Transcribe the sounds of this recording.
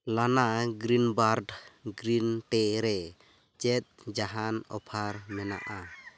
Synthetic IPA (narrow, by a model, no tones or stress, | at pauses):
lanaɡɾinbaɾɖɡɾinʈɛɾɛ | t͡ʃɛt̪̚d͡ʒaɦanɔ̰pʰaɾmɛna̰ʔa